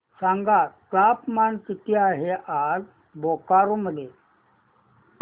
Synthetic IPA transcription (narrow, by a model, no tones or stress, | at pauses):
saŋɡatapmank̪it̪iaɦeʔal | bokaɾuməle